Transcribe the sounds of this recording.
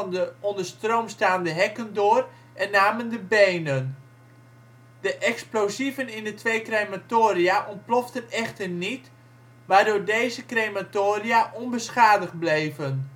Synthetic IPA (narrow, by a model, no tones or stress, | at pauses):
ndəɔndərstrowmstaːndəɦɛkəndoːr | ʔɛnːaːməndəbejnən | d̥əʔɛksplowzivənɪndətʋejkrematoːriaʔɔmplɔftənɛχtərnit | ʋaːrdʊːrdejzəkrematoːriaʔɔnbəsχaːdəχblejvən